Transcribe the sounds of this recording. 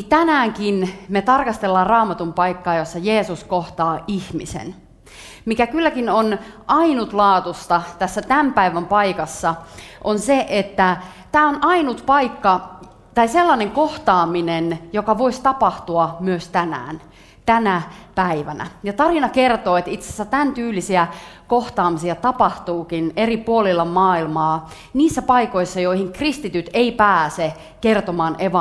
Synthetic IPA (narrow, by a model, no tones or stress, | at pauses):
t̪ænæːŋkinmet̪ɑrkɑst̪elːɑːrrɑːmɑt̪umpɑikːɑːjosːɑjeːsuskoht̪ɑːʔihmisḛn | mikækylːækinonʔɑinut̪lɑːt̪ust̪ɑt̪æsːæt̪æmpæiʋæmpɑikɑsːɑʔonseʔet̪ːæ | t̪æːonʔɑinut̪pɑikːɑ | t̪ɑiselːɑneŋkoht̪ɑːminenjokɑʋoist̪ɑpɑht̪uɑmyøst̪ænæ̰ːn | t̪ænæpæiʋænæ̰jɑt̪ɑrinɑkert̪oːet̪it̪se̥sːæt̪ænt̪yːlːisiækoht̪ɑːmisiɑt̪ɑpɑht̪uːkineripuolilːɑmmɑːilmɑː | niːsːæpɑikoisːɑjoihiŋkrist̪it̪yt̪eipæːse | kert̪omɑːnʔeʋɑ